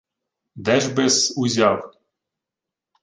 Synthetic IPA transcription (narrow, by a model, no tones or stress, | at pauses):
d̪æʒbesuzʲɑw